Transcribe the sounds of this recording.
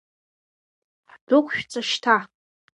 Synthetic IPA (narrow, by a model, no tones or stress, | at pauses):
ħdʊkʷʰʼʃᶣt͡sʼaʃtʰa